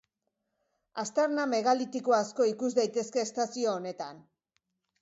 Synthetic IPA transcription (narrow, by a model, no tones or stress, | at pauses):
ast̪aɾname̞ɣalit̪ikoasko̞ikuzd̪ajt̪e̞ske̞ːst̪asio̞ːne̞t̪an